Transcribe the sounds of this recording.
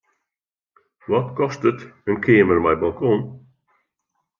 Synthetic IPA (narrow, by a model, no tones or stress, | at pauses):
wɔtkʰɔstətənkʰeːməɹmajbɔlˠkʰɔ̃ːn